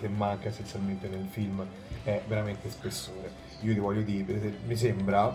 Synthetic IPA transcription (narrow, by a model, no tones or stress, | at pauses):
kemːaŋkaesːensjalment̪enelfilm | ɛveɾament̪espesːoːne | iːot̪ivɔʎːod̪iːɾepeɛmis̬embɾa